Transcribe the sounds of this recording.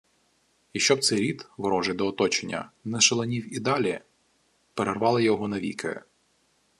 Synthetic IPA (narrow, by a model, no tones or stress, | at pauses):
jɐkʃt͡ʃɔb̚t̪sɛjɾʲit̪ʋɾɔʒed̪ɔːt̪ɔt͡ʃenʲːɐ̰nɛʃelˠɐnʲiwid̪ɑlʲi | peɾerʋɑlˠɪjɔɦɔnɐʋʲḭkʰɪ̰